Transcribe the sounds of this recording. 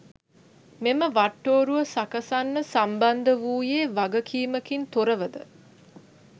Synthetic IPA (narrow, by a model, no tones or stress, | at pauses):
meməʋaʈːoːɾuʋəsakəsanːəsamband̪əʋuːjeːʋaɡəkʰiːməkint̪oɾəʋəd̪ə̰